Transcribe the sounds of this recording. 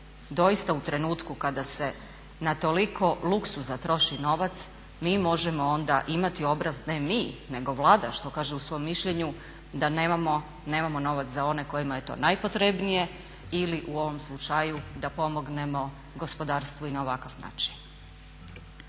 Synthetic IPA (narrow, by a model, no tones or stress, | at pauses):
d̪o̞jist̪aut̪ɾe̞nuːt̪kukad̪ase̞ | nat̪o̞likʰo̞luksuzat̪ɾo̞ʃino̞ʋat̪s | miːmo̞ʒemo̞o̞nd̪aʔimat̪io̞bɾazne̞miːne̞ɡo̞ʋlˠaːd̪a̰ʃt̪o̞kaːʒeusʋo̞jomːiʃʎeɲu | d̪aneamo | ne̞ːmamo̞no̞ʋat̪szao̞ne̞ko̞jimaje̞t̪o̞̰ːnajpo̞t̪ɾe̞bnije̞ | iliʔuo̞ʋo̞mslˠut͡ʃajud̪apo̞mo̞ɡne̞mo̞ | ɡo̞spo̞d̪aːɾst̪ʋoinaoʋakaʋna̰ːt͡ʃi̥n